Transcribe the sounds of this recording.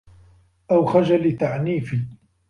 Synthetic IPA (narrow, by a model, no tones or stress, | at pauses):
ʔawxad͡ʒalɪt̪aʕniːfi